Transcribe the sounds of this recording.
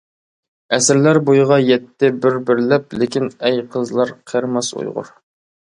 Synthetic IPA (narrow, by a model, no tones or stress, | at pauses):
ɛsɪɾlæɾbojʁɑjɛt̪ːɪbɪɾbɪɾlɛp̚lɪkʲinɛjqʰəzlˠɑɾqʰəɾmɑsṵjʁʊ̰ɾ